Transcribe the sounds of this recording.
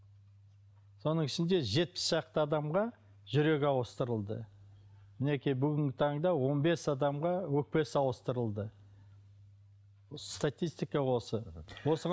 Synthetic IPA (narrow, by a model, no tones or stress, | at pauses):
so̞nəɴɪʃɪnd̪e̞ʒe̞t̪̚pɪ̥sʒ̥ɑq̚t̪əɑd̪ɑmʁɑ | ʒʏɾe̞kʲɑwəst̪əɾəlˠd̪ə̰ | mɪne̞kʲijbʏɡʲɪŋɡʲɪt̪ʰɑɴd̪ɑwo̞nbe̞sɑd̪ɑmʁɑwɵk̚pe̞sɑwəst̪əɾəlˠd̪ə | st̪at̪ʲijst̪ijkɑwo̞səwo̞səʁ